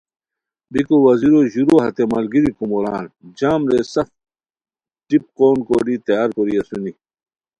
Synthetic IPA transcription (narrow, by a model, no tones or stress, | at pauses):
bikowɐziɾoːʑuɾoːɦɐt̪emɐlɡiɾikumola̰ːnd͡ʑaːmɾesɐf | dip̚koːnkoɾit̪ɐjaːɾkoːɾijɐsuni